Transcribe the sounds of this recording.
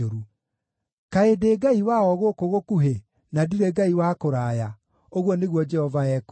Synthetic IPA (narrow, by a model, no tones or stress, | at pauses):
oɾu | kaedeɡaiwaɔɣokoɣokuɦe | nadiɾɛɡaiwakoɾaja | oɣwɔneɣwɔd͡ʒɛhɔvaɛk